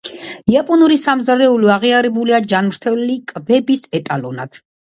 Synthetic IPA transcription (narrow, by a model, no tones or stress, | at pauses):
iapʼɔnuɾisamzaɾɛuliaʁiaɾɛbuliad͡ʒanmɾt̪ʰɛllikʼbɛbisɛt̪ʼalɔna̰d̪̥